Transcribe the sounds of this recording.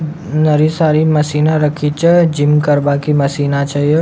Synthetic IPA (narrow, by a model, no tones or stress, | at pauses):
nɐɾisaːɾimɐsiːnaɾəkʰit͡ʃɛd͡ʒɪmkɐɾbakimɐsiːnat͡ʃɐɦie